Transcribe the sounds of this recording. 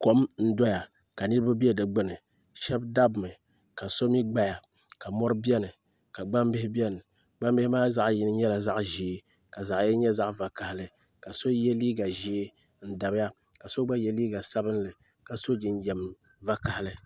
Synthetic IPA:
ko˦mn̩˦dɔ˦ja˨ | ka˨nɨ˦ɾɨ˦ba˦bi˦ɛ˦dɨ˨ɡ͡bɨ˦nɨ˨ | ʃɛ˦bda˦bmɨ˨ | ka˨so˦mi˦ɡ͡ba˦ja˨ | ka˨mɔ˦ɾɨ˦bi˦ɛ˦nɨ˨ | ka˨ɡ͡ba˦mbɪ˦hɪ˦bi˦ɛ˦nɨ˨ | ɡ͡ba˦m˦bɪ˦hɪ˦maː˦za˦ʔji˦nɨ˦ɲɛ˦la˨za˦ʔʒi˨˦ | ka˨za˨ʔjɛ˦ɲɛ˦za˦ʔva˨ka˨hɪ˦lɨ˨ | ka˨so˦jɛ˦liː˦ɡa˨ʒiː˦ | n̩˦da˨bja˦ | ka˨so˦ɡ͡ba˦jɛ˦liː˦ɡa˨sa˦bɨ˦n˦lɨ˨ | ka˨so˦d͡ʒi˨n˦jɛ˨m˨ | va˦ka˨hlɨ˦

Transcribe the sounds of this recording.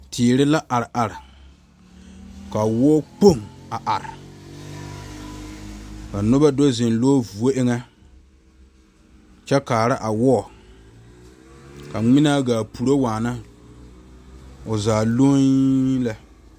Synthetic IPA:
tʰɪː˨ɾɪ˦la˦ʔa˨ɾɪ˨ʔa˨ɾɪ˨ | ka˨wɔ˦k͡po˦˨ŋa˨ʔa˨ɾɪ˨ | ka˨nʊ˦ba˦do˦zɪ˨nloː˦vu˨o˦ʔɪ˦ŋɛ˦ | t͡ʃɛ˦kaː˨ɾa˦ʔa˨wɔː˦˨ | ka˨ŋ͡mɪ˦na˦ɡaː˨pu˨ɾo˦waː˨na˦ | ʊ˨zaː˨lo˦la˦

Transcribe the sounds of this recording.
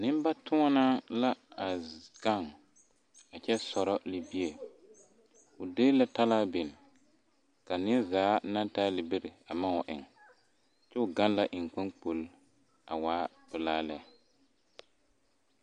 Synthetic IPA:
nɪ̃˦m˦ba˦tʰʊ˦ɔ˦na˦la˦a˨ɡ̥a˦˨ŋ | a˨t͡ʃɛ˦sɔ˨ɾɔ˦li˦bi˦e˨ | ʊ˨deː˦la˦ta˦laː˦bɪ˨n˨ | ka˨nɪ˦ɛ˦zaː˨˦na˦n˦taː˦lɪ˨be˦ɾɪ˨a˨ma˦ʊ˨ʔɪ̰˨ŋ | t͡ʃɛ˦ʊ˨ɡa˦nla˦ʔɪ˨ŋk͡pɛ˦ŋk͡po˨l | a˨waː˦ | bɪ˨laː˦lɛ˦

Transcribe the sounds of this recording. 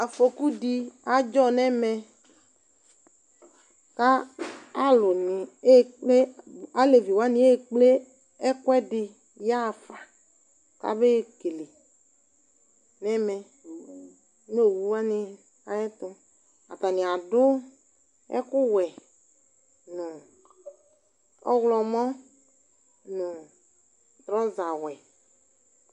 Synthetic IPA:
a˨fo˨ku˦di˦a˨d͡ʒɔ˦nɛ̃˦mɛ˦ | ka˦a˦lʊ˨nɪ̃˨e˦k͡ple˦a˨˦le˨vi˨wa˦nĩ˦e˦k͡ple˦ | ɛ˦kwɛ˦dɪ˨ | ja˦˨fa˨ | ka̰˦be˦˨ke˨le˨ | nɛ˦mɛ˦ | no˦˨wu˦wa˦nɪ˦ | a˨ɛ˦t̪ʊ˦ | a̰˨t̪a˨nɪ̃˨a˨dʊ˦ | ɛ̰˦kʊ˦wɛ˨ | ñ˨ | ɔ̰˦wlɔ˨mɔ̃˦ | nʊ̃˨ | t̪ɾɔ̃˦za˨wɛ˨

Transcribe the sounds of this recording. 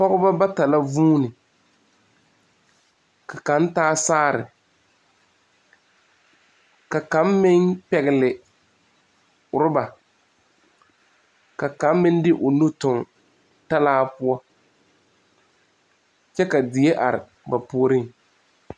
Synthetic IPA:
pɔ˦ɣʊ˦ba˦ba˦ta˨la˦vuː˦nɪ˨ | ka˨ka˨n˦taː˦saː˦ɾɪ̰˨ | ka˨ka˨˦mmɪ˦ŋpɛ˨ɣɪ˨lɪ˨ | ʊ˨ɾʊ˦ba˨ | ka˨ka˨˦mːɪ˦n˦dɪ˦ʔʊ˨nu˦tʊ˨ŋ | ta˦laː˦pʊ˦a˦ | t͡ʃɛ˦ka˨dɪ˨je˦ʔa˨ɾɪ̰˨ | ba˨po˦ɾɪ˦ŋ

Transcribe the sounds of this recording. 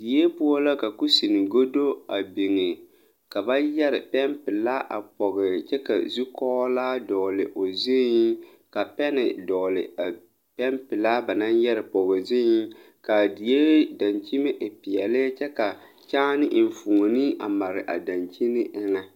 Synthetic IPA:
di˨je˦pu˦a˦la˦ka˨ku˦si˨nɪ˨ɡo˦do˦a˨bi˨ŋɪ˨ | ka˨ba˦jɛ˦ɾɪ˨pɛ˦mpɪ˨laː˦ʔa̰˨pɔ˨ɣɪ˨t͡ʃɛ˦ka̰˨zu˦kɔː˦laː˦dɔ˨lɪ˨ʔo˨zi˦ | ka˨pɛ˦nɪ̰˨dɔ˨lɪ̰˨a˨ | pɛ˦mpɪ˨laː˦ba˨na˦njɛ˦ɾɪ˨pɔ˨ɣɪ˨zɪ˦i˦ | ka˨di˨je˦da˨nt͡ʃi˦mɪ˦ʔpɪ˨ɛ˨lɪ˦t͡ʃɛ˦ka˨ | t͡ʃaː˦nɪ˦ʔn̩˨fu˨ŋ˨ni˦ʔa̰˨ma˨ɾɪ˨ʔa̰˨da˨nt͡ʃi˦nɪ˦ʔɪ˦ŋa˦

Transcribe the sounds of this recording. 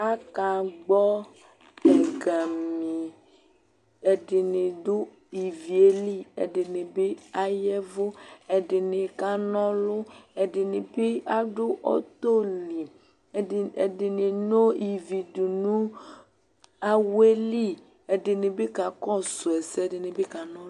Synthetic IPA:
a˦ka˨ɡ͡bɔ˦ | ɛ˨ɡa˨mĩ˨ | e˨ɖɪ˨ne˨dʊ˦ | i˨vi˨e˦li˦ḛ˨ɖɪ˨ne˨be˦a˦jɛ˦vo˦ɛ˨ɖɪ˨ne˨ka˦nɔ̃˦lʊ˦ɛ˨dɪ˨nɪ˨be˦a˦ɖʊ˦ʔɔ̰˦t̪o˦li˨ | dɪ˨nɪ˨no˦i˨vi˨du˨nũ˦ | a˦we˦li˦˨ | e˨dɪ˨nɪ˨be˦ka˨kɔ˦sʊ˨ɛ˨sdɪ˨nɪ̃˨be˦ka˨nɔ̃˦

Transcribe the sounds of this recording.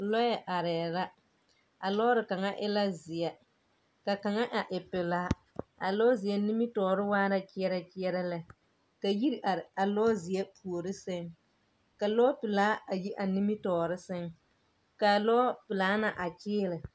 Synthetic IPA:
lɔ˦jɛ˨ʔa˨ɾɛː˨ɾa˦ | a˨lɔː˦ɾɪ˨ka˨ŋa˦ʔɪ˦la˦zɪ˨ɛ˦ | ka˨ka˨ŋa˦ʔa˨ʔɪ˨pɪ˨laː˦ | a˨lɔː˦zɪ˨ɛ˦ni˦mi˦tɔː˨ɾɪ˦waː˦ɾa˦kɪ˦ɛ˦ɾa˦kɪ˦ɛ˦ɾa˦lɛ˨ | ka˨ji˦ɾa˨lɔː˦zɪ˨jɛ˦pʰu˨o˨ɾɪ˦sɪ˦ŋ | ka˨lɔː˦pɪ˨laː˨˦a˨ji˦ʔa˨ni˦mi˦tɔː˨ɾɪ˦sɪ˦ŋ | ka˨lɔ˦pɪ˨laː˨˦na˨ʔa˨t͡ʃɪː˦lɪ˨

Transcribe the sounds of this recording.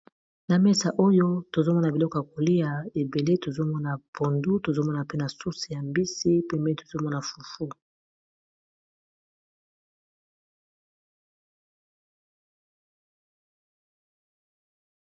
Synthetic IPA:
na˨mɛ˦sa˨ʔo˦jo˦to˨zo˦mɔ˦na˨bi˨lɔ˦kɔ˨ja˨ko˨li˦ja˨e˨be˨le˦to˨zo˦mɔ˦na˨po˨ndu˦to˨zo˦mɔ˦na˨pe˦na˨su˦si˨ja˨mbi˦si˦pɛ˦mɛ˦to̥˨zo˦mɔ˦na˨fu˨fu˦

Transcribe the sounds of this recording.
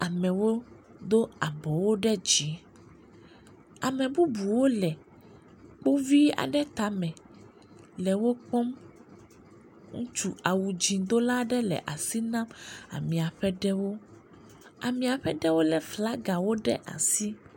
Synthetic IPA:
a˨mɛ̃˨wo˦d̪o˦a˨bɔ˨wo˦ɖɛ˦d͡ʑi˨˦ | a˨mɛ̃˨bu˦bu˨wo˦lɛ˨ | k͡po˦vi˦a̰˨ɖɛ˦t̪a˨˦mɛ̃˨ | lɛ˨wo˦k͡pɔ˦m | ŋũ˦t͡ʃu˦a˨wu˨d͡ʑĩ˨d̪o˦la˦ɖɛ˦lɛ̰˨ʔa˨si˦nã˦ma̰˨mĩ˨a˨ɸɛ˦ɖɛ˦wo˦ | a̰˨mĩ˨a˨ɸɛ˦ɖɛ˦wo˦lɛ˨fla˦ɡa˨wo˦ɖɛ̰˦ʔa̰˨si˦

